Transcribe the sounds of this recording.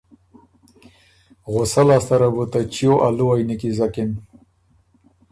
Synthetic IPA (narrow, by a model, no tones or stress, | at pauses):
ɣʊsalast̪aɾabut̪at͡ʃijoʔaluajnikizakɪn